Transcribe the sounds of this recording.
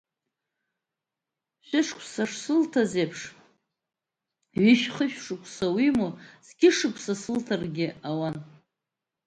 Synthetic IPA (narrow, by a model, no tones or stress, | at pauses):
ɕʷᶣɪʂkʷʰsaʂsɨltʰazepʰʂ | ɥɪʃχəʃᶣʂɨkʷʰʼsawimoz̥ɡʲɪʂɨkʷʰʼsasɨltʰarɡʲɪawan